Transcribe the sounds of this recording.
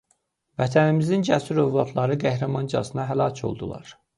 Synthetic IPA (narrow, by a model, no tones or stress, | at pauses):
væt̪ʰænimizind͡ʒæsyɾøvlˠɑt̪ʰlˠɑɾɯɡæhɾæmɑnd͡ʒɑ̰sɯnɑɦælɑcʰo̞̰lˠd̪ulˠɑ̰ɾ